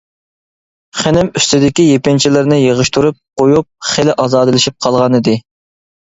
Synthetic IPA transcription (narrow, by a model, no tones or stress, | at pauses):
χenɪmyst̪ɪd̪ɪkʲijepɪnt͡ʃʰilɪɾnɪjeʁəʃt̪ʰuɾup̚qʰojup̚χelɪʔɑzɑːd̪ɨlɪʃip̚qʰɑlˠʁɑnɨd̪ɨ